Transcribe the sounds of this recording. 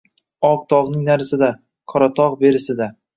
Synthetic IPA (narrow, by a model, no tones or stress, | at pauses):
ɒp̚t̪ʰɒʁnɪŋnaɾsɪd̪a | kʰɒɾat̪ʰɒʁbe̞ɾɪsɪd̪a